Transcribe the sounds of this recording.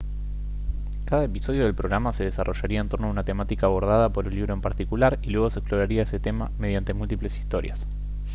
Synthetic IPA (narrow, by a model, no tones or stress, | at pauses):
kaðaepiso̞ð̞jo̞ð̞e̞lpɾoɣɾamase̞ð̞esarʔo̞ʃaɾiaent̪o̞ɾnoaunat̪e̞mat̪ikaːβo̞ɾð̞aðapo̞ɾunliβɾo̞e̞mpaɾt̪ikulaɾilwe̞ɣ̞o̞seksplo̞ɾaɾiaeset̪e̞mame̞ðjant̪e̞mult̪iple̞si̥st̪o̞ɾja̰s